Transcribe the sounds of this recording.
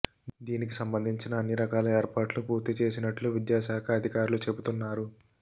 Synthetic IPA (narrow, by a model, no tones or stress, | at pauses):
d̪iːnik̬isɐmbɐnd̪ʱiɲt͡ʃinɐːnːiɾɐkaːlɐeːɾpaːʈlupuːɾt̪it͡ʃe̞ːs̬inɐʈluʋid̪jaːʃaːkʰɐɐd̪ʱikaːɾulut͡ʃe̞but̪unːaːɾu